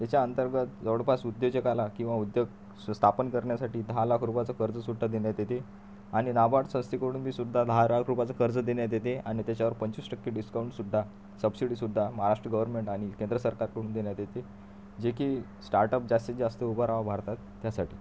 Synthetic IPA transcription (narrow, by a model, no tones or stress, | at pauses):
t̪jat͡ɕaənt̪əɾɡət̪d͡zəʋɽpasud̪jod͡ʑekalakĩw̃ʋaud̪jəɡ | st̪ʰapənkəɾɳjasaʈiːd̪ʱaɦalakʰɾupat͡sakəɾd͡zəsud̪ʱːad̪eɳjat̪et̪e | aɽ̃inabaʈsə̃w̃st̪ikəɽuːnbʱiːsud̪ʱːad̪ʱalakʰɾupat͡sakəɾd͡zəd̪eɳjat̪̬jet̪eaɽ̃it̪jat͡ɕaʋəɾpəɲt͡ɕisʈəkːeɖiskawɳʈsud̪ʱːa | səbsiɽiːsud̪ʱːaməɦaɾaʂʈɾəɡəʋəɾmeɳʈaɽ̃ikend̪ɾəsəɾkaɾkəɽuːnd̪eɳjat̪jet̪e | d͡ʑekiː | sʈaɾʈəp̚d͡ʑast̪it͡sd͡ʑast̪iubʱəɾaʋabʱaɾt̪at̪ːjasaʈḭː